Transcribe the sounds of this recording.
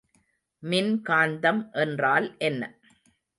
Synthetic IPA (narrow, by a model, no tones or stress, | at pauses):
mɪnkaːnd̪ɐmʔɛndraːlʔɛnːɐ